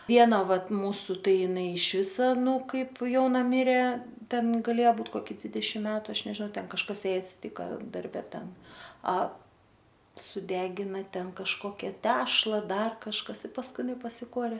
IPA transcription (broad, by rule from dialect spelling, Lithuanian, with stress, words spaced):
ˈʋʲiɛnɐ ˈʋɐt ˈmuːsʊ ˈtɐɪ ɪˈnɐɪ ɪʃʲˈʋʲɪsɐ ˈnuː ˈkɐɪp ˈjɛʊnɐ ˈmʲɪrʲeː ˈtʲɛn ɡɐˈlʲeːjɛ ˈbuːt ˈkoːkʲɪ ˈdʲʋʲɪdʲɛʃʲɪm ˈmʲæːtʊ ˈɐʃ nʲɛʒʲɪˈnɐʊ ˈtʲɛn kɐʃˈkɐs ˈjɛɪ ɐtʲsʲɪˈtʲiːkɐ dɐrʲˈbʲɛ ˈtʲɛn ɐ sʊˈdʲæːɡʲɪnɐ ˈtʲɛn kɐʃˈkoːkʲɛ ˈtʲæːʃlˠɐ ˈdɐr kɐʃˈkɐs pɐsˈkʊɪ ˈɪnɐɪ pɐsʲɪˈkuɔrʲeː